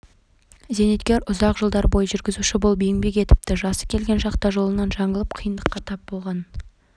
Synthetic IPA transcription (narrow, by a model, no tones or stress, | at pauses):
ze̞ne̞t̪kʲe̞ɾʔʊzɑqʒəlˠd̪ɑɾbo̞jəʒʏɾɡʲɪzuʃɪbolˠbejɪŋbe̞kʲe̞t̪ɪ̥p̚t̪ɪʒɑsə̥kʲʰe̞lɡʲenʃɑqt̪ɑʒolˠənɑnʒɑɴəlˠəp̚qʰijənd̪əqːɑt̪ʰɑp̚bo̞lˠʁɑn